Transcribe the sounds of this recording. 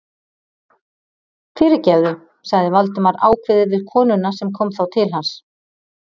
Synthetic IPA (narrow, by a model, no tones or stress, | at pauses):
fɪːɾɪ̥cɛvðʏ | saɣðɪvalt̪ʏmaɾaːwkʰvɪðɪvɪðkʰɔːnʏnasɛmkʰɔwmθawt̪ʰɪlɦans